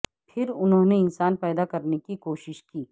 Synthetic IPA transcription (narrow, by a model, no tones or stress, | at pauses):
pʰɪɾʊnɦõneɪnsaːnpɛːd̪akɐɾnekikoːʃɪʃkiː